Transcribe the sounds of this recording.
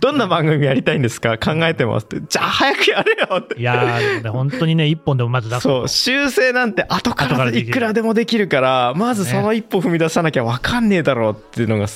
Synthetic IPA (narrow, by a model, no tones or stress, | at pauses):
d̪̥õ̞nːabãŋɡɯ̟mʲijaɾʲit̪aĩnd̪e̞sɨ̥kakãŋɡae̞t̪e̞ma̰sɨ̥t̪ːed͡ʑaːhajakɯ̟jaɾejot̪ːejahõnt̪oɲineipːõ̞nd̪emomazɨso̞ːɕɨːse̞ːnãnt̪e̞ʔat̪o̞kaɾaikɯ̟ɾad̪e̞mo̞d̪e̞kʲiɾɯ̟kaɾamazɨso̞no̞ipːõ̞ɸɯ̟mʲid̪asanakʲaβakanːe̞ːd̪aɾo̞ːt̪ːe̞ɯ̟no̞ɡa